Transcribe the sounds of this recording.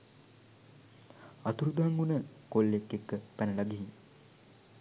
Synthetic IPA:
at̪uɾud̪aŋɡunəkolːekːekːəpænəlaɡiɦi

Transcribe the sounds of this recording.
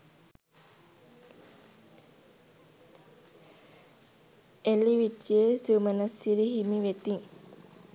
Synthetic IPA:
eliʋiʈːiesumənɐsiɾiɦimiʋet̪iŋ

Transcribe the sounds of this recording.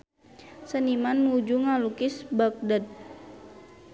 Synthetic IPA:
sənimanːud͡ʒuŋalukɪsbak̚dat̪̚

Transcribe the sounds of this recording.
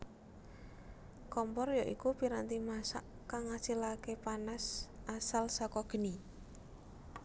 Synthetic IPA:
kɔmpɔrjɔʔikupiɾant̪imasa̰ʔ | kaŋasilakepanasasalsɔkɔɡ̥ə̤ni

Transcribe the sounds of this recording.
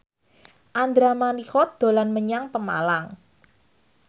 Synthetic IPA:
ʔand̪ɾamanixɔt̪̚d̪̥o̤lanməɲaŋpəma̰laŋ

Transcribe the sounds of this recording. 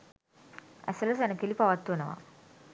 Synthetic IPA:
ɐ̰sɐlɐsɐnɐkilipɐʋɐt̪ːunɐʋa̰

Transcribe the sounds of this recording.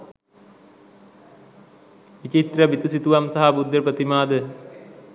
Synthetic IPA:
ʋit͡ʃit̪rɐʋit̪usit̪uʋɐmsɐɦɐbud̪jɐpɾɐt̪imaːd̪ə

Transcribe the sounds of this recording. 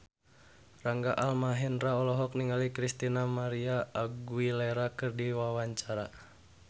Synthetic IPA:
raŋɡaʔalmaɦɛnraɔlɔɦɔk̚niŋalikɾist̪inamaɾiaːɡuilɛɾakɨrdiwawaɲt͡ʃaɾa

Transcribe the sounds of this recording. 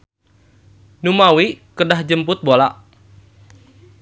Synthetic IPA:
numawikədahd͡ʒəmpʊt̪̚bolaʔ

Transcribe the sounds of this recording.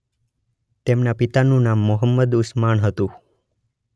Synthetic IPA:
t̪emnapit̪anũnamːʊɦəmːəd̪ʊsmanɦət̪ũ

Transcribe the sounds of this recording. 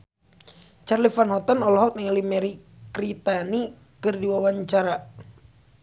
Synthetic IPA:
t͡ʃarlifanɦɔt̪anɔlɔɦɔk̚nɛŋalimɛɾi | kɾit̪ani | kɨrdiwawaɲt͡ʃaɾa

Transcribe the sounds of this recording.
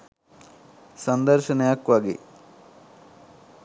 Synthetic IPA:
sɐnd̪ɐɾʃɐnɐjaːkːʋaːɡḭ

